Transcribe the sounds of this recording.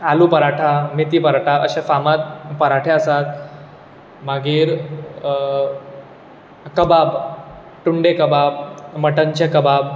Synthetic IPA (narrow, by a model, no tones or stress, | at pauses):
alupəɾaʈʰamet̪iːpəɾaʈʰaəɕefamat̪̚pəɾaʈʰeəsat̪̚ | maɡiːɾ | kəbab | ʈuɳɖekəbabməʈənt͡ɕekəbab